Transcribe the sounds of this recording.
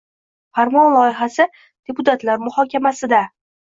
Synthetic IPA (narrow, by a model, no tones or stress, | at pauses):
faɾmɒnlˠɒjɪɦasɪ | d̪̥e̞pʰʊt̪ʰat̪laɾmʊhɒkʲamasɪd̪a